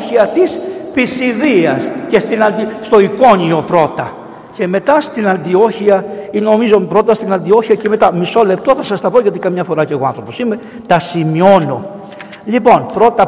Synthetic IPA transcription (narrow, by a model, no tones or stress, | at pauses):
çiɐt̪ispisiðiɐsce̞st̪inɐnd̪ist̪o̞iko̞ɲio̞pɾo̞t̪ɐ | ce̞me̞t̪ɐst̪inɐnd̪io̞çiɐino̞mizo̞pɾo̞t̪ɐst̪inɐnd̪io̞çiɐceme̞t̪ɐmiso̞le̞p̚t̪o̞θɐsɐst̪ɐpo̞ʝɐt̪ikɐmɲɐfo̞ɾɐce̞ɣo̞ɐ̰̃nθɾo̞po̞sime̞ | t̪ɐsimio̞no̞ | lipo̞npɾo̞t̪ɐ